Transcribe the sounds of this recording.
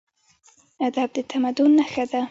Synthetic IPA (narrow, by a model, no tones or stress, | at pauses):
ad̪ab̚d̪et̪ʰamad̪ʊnːaxad̪a